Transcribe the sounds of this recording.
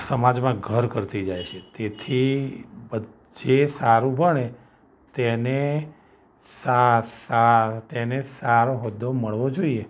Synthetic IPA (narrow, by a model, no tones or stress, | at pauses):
səmad͡ʒmãɡʱəɾkəɾt̪id͡ʒajt͡ʃʰet̪et̪ʰibə | d͡ʒesaɾũbʱəɳe | t̪ene | sasat̪enesaɾoɦod̪ːoməɭʋod͡ʒoie